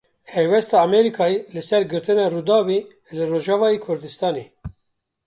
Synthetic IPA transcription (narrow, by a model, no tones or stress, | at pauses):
hɛjwɛst̪ɑːmɛɾikʰɑːelɨsɛɾɡɨɾt̪ɨnɑːrud̪ɑːwe | lɨroʒɑːvɑːjekʰʊɾd̪ɨst̪ɑːneː